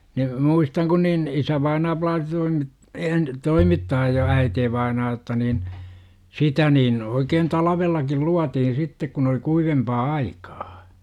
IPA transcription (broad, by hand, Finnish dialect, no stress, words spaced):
ni muistɑŋ kun niːn isæʋɑinɑː plɑːsi toimit eːn toimitːɑːj jɑ æiteːʋɑinɑː otːɑ niːn sitæ niːn oikeːn tɑlɑʋelːɑkil luɑtihin sitːek kun oli kuiʋempɑː ɑikɑ̥ː